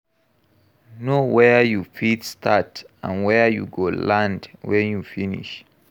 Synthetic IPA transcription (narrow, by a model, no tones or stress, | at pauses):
nowɛjufidstʰatã̰nwɛjṵɡolãndwɛ̃njufinḭʃ